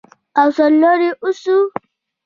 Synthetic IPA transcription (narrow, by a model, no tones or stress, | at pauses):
ʔasɔlːoɾiʔʊsu